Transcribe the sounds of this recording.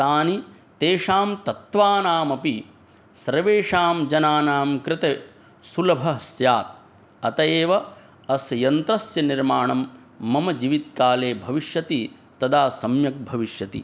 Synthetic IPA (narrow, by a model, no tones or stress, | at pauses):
t̪aːni | t̪eːʂaːmt̪ɐt̪ʋaːnaːmɐpi | sɐɾʋeːʂaːmd͡ʒɐnaːnaːmkɾɪt̪e | sulɐbʱɐɦɐsjaːt̪̚ | ɐt̪ɐjeːʋɐ | ɐsjɐnt̪ɾɐsjɐniɾmaːɳɐmː | ɐmɐd͡ʒiːʋit̪̚kaːleːbʱɐʋiʃjɐt̪i | t̪ɐd̪aːsɐmjɐk̚bʱɐʋiʃjɐt̪ḭ